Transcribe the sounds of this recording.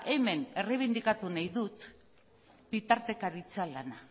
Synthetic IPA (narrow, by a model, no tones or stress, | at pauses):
ʔe̞me̞ne̞reβ̞ind̪ikat̪unajðut̪ | bit̪aɾt̪e̞kaɾit͡sealana